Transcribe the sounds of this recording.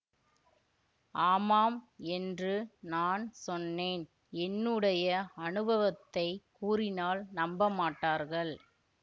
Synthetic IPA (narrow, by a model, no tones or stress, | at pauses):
ʔaːmaːmɛndrɯnaːnsɔnːeːn | ɛnːɯɽɐjɐɐnɯbɐʋɐt̪ːɐɪkuːrɪnaːlnɐmbɐmaːʈːaːɾɣɐɭ